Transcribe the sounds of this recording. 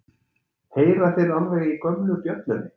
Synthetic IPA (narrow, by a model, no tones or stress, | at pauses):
heːjɾaθejɾanvɛːɣikœmnʏp̪jœt̪nʏnɪ